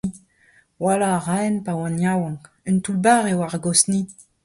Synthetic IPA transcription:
walaːʁaɛnpawãnjawɑ̃ŋk | ynt̪ulbaːʁewaʁaɡɔsni

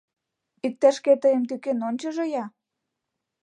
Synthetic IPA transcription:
ik̚t̪æʃket̪ɤjə̆mt̪ykenonʲt͡ɕə̆ʒĕjɑ

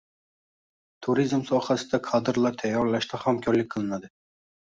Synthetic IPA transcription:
t̪ʰuɾizmsɒhasɪd̪akʰɑd̪ɨɾlˠaɾt̪ʰɛjːɒɾlaʃt̪ʰahamkʲʰɒɾlɪk̚ʲqʰəlˠɨnad̪ɪ

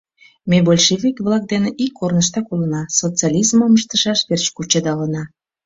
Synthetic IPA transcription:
mebolʲʃevʲikβlɑk̚d̪eneʔikʰːornəʃt̪ɑkulənɑsot͡sɑlʲizməməʃt̪əʃɑʃβert͡ɕkut͡ɕəd̪ɑlənɑ

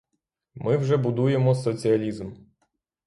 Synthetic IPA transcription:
mɪwʒɛbʊd̪uje̞mɔsɔt͡sʲiɐlʲizm

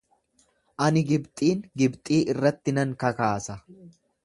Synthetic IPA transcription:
ʔɐnɪɡɪbt̪ʼiːŋɡɪbt̪ʼiːʔɪrːɐt̪ːɪnɐŋkɐkaːsɐ

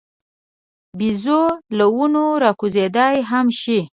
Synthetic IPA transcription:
bizolawunoɾɑkuzed̪ɑjɦamʃi

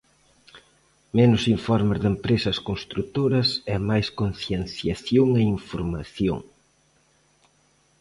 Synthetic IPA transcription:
menʊsiɱfɔɾmɪzðempɾesɐskonst̪ɾut̪oɾɐsɛmajskonθjen̟θjaθjoŋɛiɱfoɾmaθjo̰ŋ

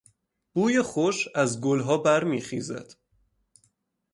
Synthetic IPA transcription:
b̥uːjeχoʃæzɡolɦɒːbæɾmiːχḭːzæ̰d̪̥

